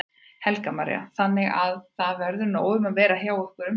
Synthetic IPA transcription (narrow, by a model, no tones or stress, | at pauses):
hɛlkamaɾɛ̰a̰θanːɪɣaðθaðvɛɾðʏɾnoːwðʏmavɛːɾaɦjaːwɛhkʏɾʏm